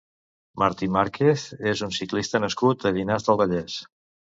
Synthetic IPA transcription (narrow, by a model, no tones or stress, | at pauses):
məɾt̪imaɾkʰeθezunsiklist̪ənəskut̪̚əðinazðəlˠβəʎɛs